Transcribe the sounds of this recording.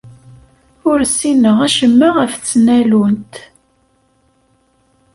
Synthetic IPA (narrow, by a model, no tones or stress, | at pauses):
ʊɾsːinəʁæʃəmːəʁəft͡sːnælunt̪